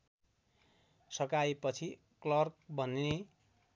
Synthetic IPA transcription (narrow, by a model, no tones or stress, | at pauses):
sʌkajpʌt͡sʰi | klʌrk̚bʱʌnine